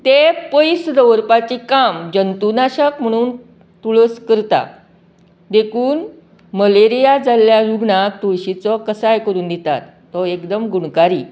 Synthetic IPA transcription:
t̪epəjsd̪əʋɾpat͡ɕikamd͡ʑənt̪unaɕəkm̤əɽ̃uːn | t̪uɭəskəɾt̪a̰ | d̪ekʰuːn | məleɾijad͡zalːjaɾuɡɳat̪ojɕit͡sɔkəsajkəɾuːnd̪et̪a̰t̪ːɔekd̪əmɡuɳkaɾiː

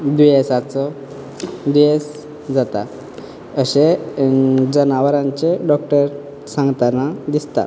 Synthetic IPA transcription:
d̪ʋijesat͡sɔ | d̪ijes | d͡zat̪a̰ | əɕe | d͡zənaʋɾãɲt͡ɕeɖɔk̚ʈəɾ | sãŋɡt̪anad̪ist̪a̰

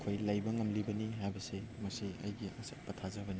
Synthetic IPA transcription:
kʰojlajbɐŋɐmlibɐniɦajbɐsemɐsiɐ̰jɡiɐ̰sɐt̚pɐtʰazɐbɐni

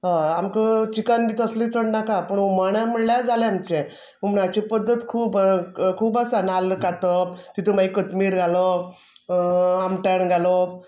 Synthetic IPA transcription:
ɦãamkət͡ɕikanbiːt̪əslit͡səɽnakapəɳomaɽ̃am̤əɽljad͡zʱaleamt͡ɕẽ | umɳat͡ɕipəd̪ʱːət̪kʰuːbkʰuːbəsanalkat̪ɔt̪it̪ʰəmaikət̪miːɾɡʱalɔ | amʈəɳɡʱalɔ

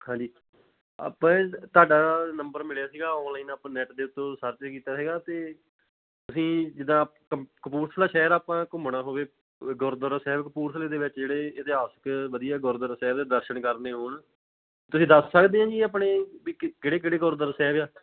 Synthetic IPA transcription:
hãːɲd͡ʒiː | a̰ːpãːt̪aːɖaːnəmbəɾmɪljaːsiːɡaːonliːnːpãnɛːʈd̪eːʊt̪ːõːsəɾt͡ʃekiːt̪aːsiːɡaːt̪eː | t̪ʊsĩːd͡ʒɪd̪ãː | kəkəpuːɾsʰlaːʃɛːəɾaːpãːkʊmɳaːɦoːʋeː | ɡʊɾd̪əɾsɛːbkəpuːɾsleːd̪eːʋɪt͡ʃd͡ʒeːɽeːɪt̪eɦaːsə̥kʋəd̪ijaːɡʊɾd̪əɾsɛːʋd̪eːd̪əɾʃəɳkəɾneːɦʊɳː | t̪ʊsĩːd̪əsːəkd̪eːɦãːd͡ʒiːaːpɳeːʋiːkeɽeːk̬eɽeːɡʊɾd̪əɾsɛːʋjaː

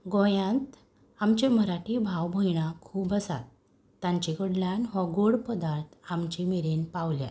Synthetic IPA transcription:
ɡõjãt̪ | amt͡ɕeməɾaʈibʱawbʱəjɳ̃akʰuːbəsa̰t̪ː | ãɲt͡ɕikəɽljãnʋɔɡoɽpəd̪aɾt̪ʰamt͡ɕimiɾenpaʋlja̰t̪

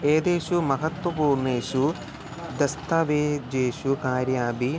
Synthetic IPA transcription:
eːd̪eːʃumɐɦɐt̪wɐpuːɾɳeːʃu | d̪ɐst̪ʰɐʋeːd͡ʒeːʃukaːɾjaːbi

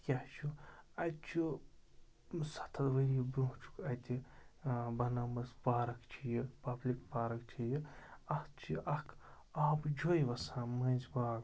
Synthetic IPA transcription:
kʲaht͡ʃʰuɐt̪̚t͡ʃʰu | sɐ̥t̪ʰɐd̪ʋɐɾibɾuːt͡ʃʰu̥kɐt̪ʲi | bɐnɐmɐsbaːɾɐkt͡ʃʰijipɐblʲikbaːɾɐkt͡ʃʰijiɐht͡ʃʰiʔɐkʰ | aːbd͡ʒojʋɐsãːmɐnzbaːɡ

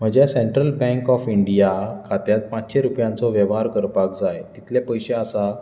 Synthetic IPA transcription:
m̤əɡd͡ʑeseɳʈɾəlbɛ̃ŋkɔfiɳɖijakʰat̪jat̪̚pat͡ɕɕeɾupjãnt͡sɔʋjəʋɦaɾkəɾpak̚d͡zajt̪it̪ʰljapəjɕeasa

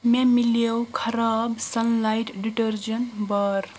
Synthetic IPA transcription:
memiljewkʰɐɾabsʌnlajʈɖiʈəɾd͡ʒənbʌɾ

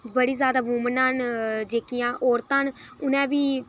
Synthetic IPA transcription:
bəɽiːzjaːd̪aːbuːmənaːnd͡ʒeːkɪjãːʔɔːɾt̪ãːnʊnɛ̃ːbiː

